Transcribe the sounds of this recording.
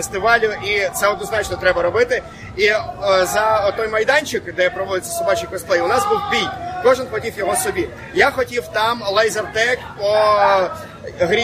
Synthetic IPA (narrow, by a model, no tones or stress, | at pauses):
est̪ɪʋɑlʲʊʔit̪sɛɔd̪nɔznɑt͡ʃnɔt̪ɾɛbɐɾɔbɪt̪ɪ | izɐɔt̪ɔjmɐjd̪ɑnʲt͡ʃɪkd̪ɛpɾɔʋɔd̪ɪt͡sʲːɐ̥sʊbɑt͡ʃɪkɔst̪lˠɛjʊnɑzbuwbʲijkɔʒɪnxɔtʲiwjɔɦɔsɔbʲi | jaxɔtʲiwt̪ɑmlˠɛjzɐrt̪ɛkpɔ | ɦɾʲi